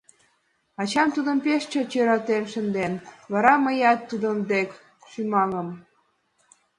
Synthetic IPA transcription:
ɑt͡ɕɑmt̪ud̪əmpeʃt͡ɕot͡ɕøɾɑt̪emʃənd̪enβɑɾɑməjɑt̪ːud̪əmd̪ek | ʃymɑŋəm

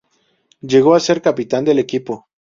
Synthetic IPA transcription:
ʝeɣoase̞ɾkapit̪and̪e̞lekipo

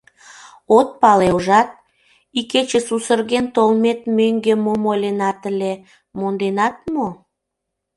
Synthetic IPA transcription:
ot̪̚pɑleʒɑt̪̚ | iket͡ɕesusərɣent̪olmet̪møŋɡemomolʲenɑt̪əle | mond̪enɑt̪̚mo

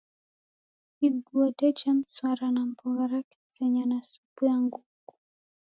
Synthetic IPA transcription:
kiɡuatɛt͡ʃam̩swaɾanam̩pɔɣaɾaki̥sɛɲanasubujaŋɡuku̥

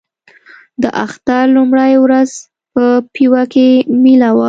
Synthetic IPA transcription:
d̪əʔaxt̪alumɽajwɾaz | pəpiwakemilawa

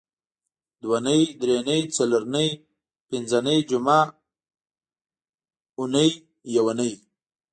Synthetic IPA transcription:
d̪wanəid̪ɾenəjt͡saloɾnəj | pɪnzanəjd͡ʒuma | ʊnəj | jawanəj

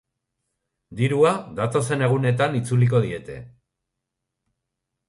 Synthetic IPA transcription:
d̪iɾuaðat̪o̞se̞ne̞ɣ̞une̞t̪anit͡sulik̬o̞ð̞ie̞t̪e̞̰

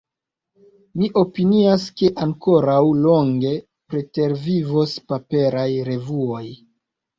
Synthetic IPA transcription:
miʔo̞piniaske̞ʔaŋko̞ɾawlo̞ŋɡe̞ | pɾe̞te̞ɾvivospape̞ɾajɾe̞vuo̞j

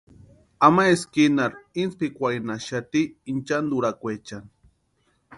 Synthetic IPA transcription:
amaeskinaɾinspikʷajnaʃat̪iːnt͡ʃand̪uɾakʷet͡ʃan

